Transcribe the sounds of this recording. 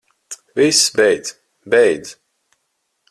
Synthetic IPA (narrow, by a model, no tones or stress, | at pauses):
visbɛjd̪z̥ | bɛjd̪z